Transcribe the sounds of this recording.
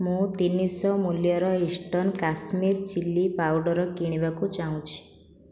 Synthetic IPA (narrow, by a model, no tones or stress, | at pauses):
mũt̪inisɔmuljɔɾɔisʈɔnkasmiɾt͡ʃilːipawɖɔɾɔkiɽ̃iʋakũd͡ʒaũt͡ʃʰi̥